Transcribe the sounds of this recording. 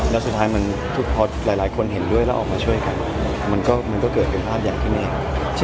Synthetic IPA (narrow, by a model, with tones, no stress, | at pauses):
lɛː˦˥wsu˨˩t̪ʰːaː˦˥jma˧n | t̪ʰu˦˥˩k̚pʰɔː˧t̪ɾaː˨˦jlaː˨˦jkʰo˧nɦe˩˦ndu˥˩əjlɛː˦˥ʔɔː˨˩kmaː˧t͡ɕʰu˥˩əjka˧n˩ | ma˧nkɔː˥˩ma˧nkɔː˥˩kɤː˨˩t̪̚pʰe˧npʰaː˥˩p̚jaː˨˩ŋt̪ʰiː˥˩neː˧˩k | t͡ɕʰ